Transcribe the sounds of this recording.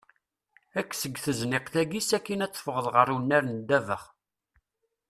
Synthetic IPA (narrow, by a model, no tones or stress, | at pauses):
ækːsəɡθəznɪqθæɡisækːinæt͡sːə̥fəʁəðʁəɾunːæɾnd̪ːævəχ